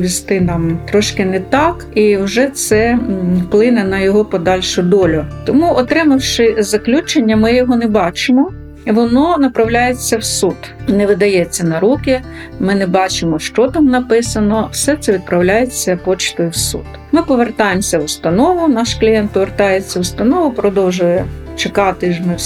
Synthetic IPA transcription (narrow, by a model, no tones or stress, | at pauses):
ʋʲist̪ɪnɑmt̪ɾɔʃkɪnɛt̪ɑkiwʒɛt̪sɛplˠɪnɛnɐjɔɦɔpɔd̪ɑlʲʃʊd̪ɔlʲʊt̪ɔmuʔɔt̪ɾɪmɐwʃɪzɐklʲut͡ʃenʲːɐmɪjɔɦɔnɛbɑt͡ʃɪmɔ | iʋɔnɔnɐpɾɐwlʲajet͡sʲːɐwsud̪nɛʋɪd̪ɐjɛt͡sʲːɐnɐɾukʲɪ | mɪnɛbɑt͡ʃɪmɔʃt͡ʃɔt̪ɑmnɐpɪsɐnɔwsɛt̪sɛʋʲid̪̚pɾɐwlʲajet͡sʲːɐpɔt͡ʃt̪ɔjʊwsṵd̪ | mɪpɔʋert̪ɑjemsʲɐwʊst̪ɐnɔʋʊnɑʃklʲijɛnt̪̚pɔʋert̪ɑjet͡sʲːɐwʊst̪ɐnɔʋʊpɾɔd̪ɔwʒʊjɛ | t͡ʃekɑt̪ɪʒmɪ